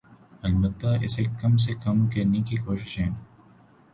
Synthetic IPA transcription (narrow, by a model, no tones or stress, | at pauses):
ɐlbət̪ːaʔɪ̰sekɐms̬ekɐmkɐɾnekikoːʃɪ̥ʃɦɛ̃ː